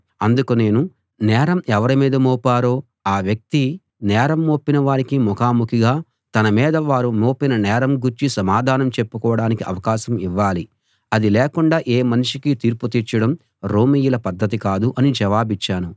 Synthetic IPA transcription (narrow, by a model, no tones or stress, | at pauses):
ɐnd̪ukune̞ːnu | nɛːɾɐmɛʋɐɾimiːd̪ɐmoːpaːɾoː | aːʋjɐk̚t̪i | nɛːɾɐmːoːpːinɐʋaːɾikimɔkaːmukʰiɡaː | t̪ɐnɐmiːd̪ɐʋaːɾumoːpinɐnɛːɾɐmɡuɾt͡ʃisɐmaːd̪ʱaːnɐmt͡ʃepːukɔːʋɐɽaːnikiʔɐ̰ʋɐkaːʃɐmiʋːaːli | ɐd̪ilɛːkuɳɖaːʔeːmɐniʂikit̪iːɾput̪iːɾt͡ʃɐɽɐm | ɾo̞ːmiːjulɐpɐd̪ʱːɐt̪̬ikaːd̪uʔɐnid͡ʒɐʋaːbit͡ʃːaːnu